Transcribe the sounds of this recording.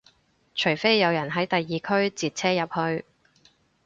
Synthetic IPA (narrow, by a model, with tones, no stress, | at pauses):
t͡ʃʰɵ˨˩ɥfe˥jːɐ˨˧wjɐ˨˩nɦɐ˨˥jt̪ɐ˨jːiː˨kʰɵ˥ɥt͡siː˨t̚t͡sʰɛː˥jɐ˨p̚hɵ˧ɥ